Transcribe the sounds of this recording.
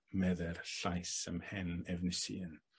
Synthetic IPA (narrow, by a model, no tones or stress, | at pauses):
mɛðɛrɬajsə̰mhɛnɛvnɪsḭən